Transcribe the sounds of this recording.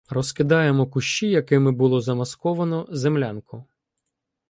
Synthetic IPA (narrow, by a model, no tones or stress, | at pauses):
rɔskɪd̪ɑjemɔkʊʃt͡ʃijɐkɪmɪbʊlˠɔzɐmɐskɔʋɐnɔzemlʲankʊ